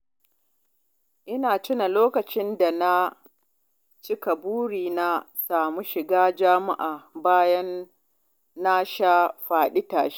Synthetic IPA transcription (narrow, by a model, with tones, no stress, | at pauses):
ʔɪ˦naː˨t͡ʃɪ˦na˨loː˦kɐ˨t͡ʃɪ˦nda˨na˦ | t͡ʃɪ˦ka˨buː˦ɽiː˨na˦saː˨mu˦ʃɪ˨ɡaː˦d͡ʒa˦ma̰˦ʔaː˨baː˦jɐ˦nː | a˦ʃaː˦ɸaː˨ɗi˦taː˨ʃi̥˦˨